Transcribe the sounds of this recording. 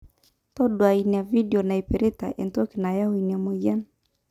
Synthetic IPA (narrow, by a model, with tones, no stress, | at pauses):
tɔ˦ɗwa˨i˨ni˨a˨vi˦di˨ɔ˨na˨i˨pe˨ɾi˦ta̰˨ʔɛ˨ntɔ˦ki˨na˨ja˦wi˨nia˨mo˨ja˦n